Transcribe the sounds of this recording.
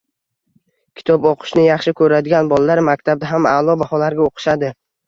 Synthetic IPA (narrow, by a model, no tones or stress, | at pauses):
kʲʰɪ̥t̪ʰɒbɒqʰɨ̥ʃnɪjɑχʃɪkʲʰɵɾad̪ɪɡʲanbɒlˠalaɾmakʲt̪ʰab̚d̪aɦama̰ːlˠɒbahɒlaɾɡʲaoqʰɨ̥ʃad̪ɪ